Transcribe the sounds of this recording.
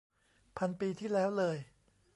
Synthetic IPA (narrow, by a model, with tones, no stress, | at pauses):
pʰa˧npiː˧t̪ʰiː˥˩lɛː˦˥wlɤː˧j